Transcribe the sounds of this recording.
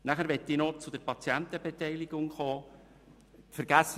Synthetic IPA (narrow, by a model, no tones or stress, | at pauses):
næχəɾʋɛt̪ːɪnot͡sʊd̪əɾpɑt͡sjænt̪əbet̪ɛɪlɪɡ̥ʊŋχoː | tfɛɾɡ̥æs